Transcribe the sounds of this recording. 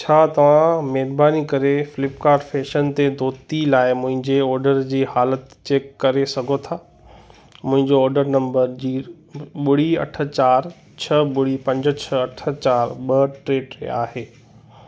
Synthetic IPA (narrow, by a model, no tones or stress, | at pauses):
t͡ɕʰaːt̪ɐʋ̤ãmɛːɾbaːnikɐɾefɪlɪpkaːɾʈfeːʃənt̪ed̪ʱoːt̪ilaːɪmʊ̃ɦɪ̃ɲd͡ʑeɔːɾɖəɾd͡ʑiːhaːlət̪t͡ɕeːkːɐɾesɐɡʱot̪ʰaː | mʊ̃ɦɪ̃ɲd͡ʑoɔːɾɖəɾnɐ̃mbəɾd͡ʑiː | ɓʊɽ̤iɐ̰ʈʰə̆t͡ɕaːɾ | t͡ɕʰɐɓʊɽipɐ̃ɲd͡ʑə̆t͡ɕʰɐɐʈʰə̆t͡ɕaːɾɓɐʈɾeːɖ̰a̰ːɦeː